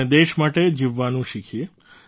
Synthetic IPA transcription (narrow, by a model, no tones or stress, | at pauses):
ed̪eʃmaʈed͡ʒiʋːanũʃikʰje